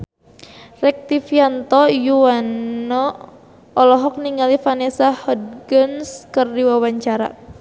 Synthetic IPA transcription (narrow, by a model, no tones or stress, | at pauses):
rɛk̚t̪ifiant̪ɔjuanːɔ | ɔlɔɦɔk̚niŋalifanɛsahɔd̪̚ɡənskərdiwawaɲt͡ʃaɾa̰